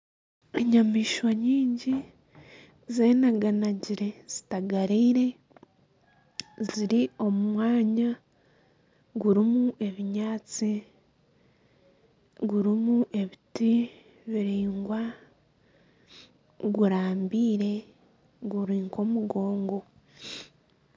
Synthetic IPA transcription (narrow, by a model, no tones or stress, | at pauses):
eɲamiːʃwaɲiːɲɟi | zeːnaɡanaɟiɾe̞z̥i̥taɡaɾiːɾe̞ | ziɾio̞mumwaːɲa | ɡuɾimuʔe̞βiɲaːt͡si | ɡuɾimuʔe̞βiti | βiɾiːŋɡwa | ɡuɾaːmbiːɾe̞ | ɡuɾiːŋko̞muɡo̞ːŋɡo̞